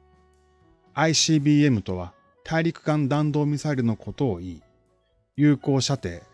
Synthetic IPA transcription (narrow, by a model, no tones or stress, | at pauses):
aiɕiːbʲiːe̞mɯ̟t̪o̞βa | t̪ʰaiɾʲikɯ̟̥kãnd̪ãnd̪o̞ːmʲisaiɾʲɯ̟no̞ko̞t̪o̞ːiː | jɯ̟ːko̞ːɕat̪e̞ː